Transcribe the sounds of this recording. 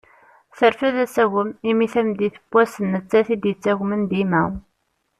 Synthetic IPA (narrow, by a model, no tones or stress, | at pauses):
θəɾfæðæsæɣəmimiθæmd̪iθə̥b̥ʷːæsənːət͡sːæθid̪jət͡sːæʝmənd̪imæw